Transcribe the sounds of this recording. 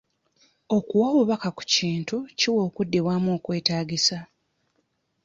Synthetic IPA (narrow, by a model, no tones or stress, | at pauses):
o̞kuwawuβakaku̥ciːntuciwo̞ːkudːiβwaːmo̞ːkwe̞ːtaːɟisa